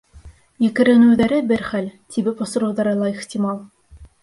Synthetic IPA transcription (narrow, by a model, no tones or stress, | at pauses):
jɘ̆kɘ̆ɾɘ̆nɘ̆wðæɾɘbɘɾχælʲt̪ʰibɘpŏsɤ̆ɾɤ̆wðɑɾɤlˠɑiχt̪ʲimɑlˠ